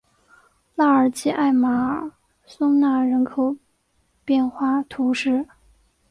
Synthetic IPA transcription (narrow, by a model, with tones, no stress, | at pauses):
la˥˩ə˞˨˩t͡ɕi˥ʔa˥˩ɪma˨˥ | sʊ˥ŋna˥˩ɻə˧˥nkʰo˨˩ʊ | pjɛ˥˧nxwa˥˧t̪ʰu˧˥ʂɻ̩˥˩